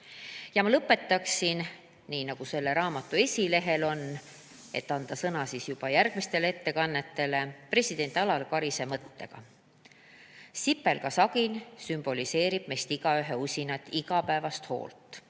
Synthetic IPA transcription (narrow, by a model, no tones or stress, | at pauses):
jɑmɑlɤpːˑe̞t̪ːˑɑksin | niːnɑɡ̥use̞lːe̞ɾɑːmɑt̪ːˑue̞sʲile̞ɦe̞lo̞nː | e̞t̪ːɑnd̪̥ɑsɤnɑsisjub̥ɑjærɡ̥mist̪e̞le̞t̪ːe̞kɑnːe̞t̪ːe̞le̞pre̞sʲid̪̥e̞nʲt̪ɑlɑlkɑɾise̞mɤt̪ːe̞ɡ̥ɑ̰ | sipːe̞lkɑsɑɡ̥insymb̥o̞lise̞ːɾib̥me̞st̪iɡ̥ɑyɦe̞usʲinɑt̪ːˑiɡɑpæevɑst̪ho̞̰ːlt̪ːˑ